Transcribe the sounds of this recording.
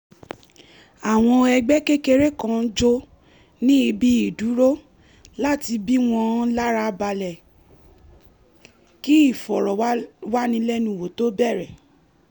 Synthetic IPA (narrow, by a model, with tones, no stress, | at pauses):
a˨w̃ɔ̃˧ɛ˧ɡ͡bɛ˦ke˦ke˧ɾe˦kã˧n̩˦d͡ʒo˦ | nĩ˦i˧bi˦i˦˨du˨˦ɾo˦ | la˦ti˧bi˦w̃ɔ̃˧˦la˦ɾa˧ba˧lɛ˨ | ki˦i˦˨fɔ˨ɾɔ˨wa˦nĩ˧˦lɛ˦nũ˧˦˨wo˨to˦bɛ˦˨ɾɛ˨